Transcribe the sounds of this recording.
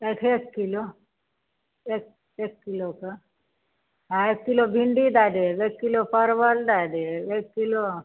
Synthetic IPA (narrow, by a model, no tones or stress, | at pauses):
eːkʰeːkːilo | ek̚ | ekːiloka | ɦãeːkːilobʱiɳɖid̪aːd̪eeːkːilopəɾʋəld̪aːd̪eeːkːilo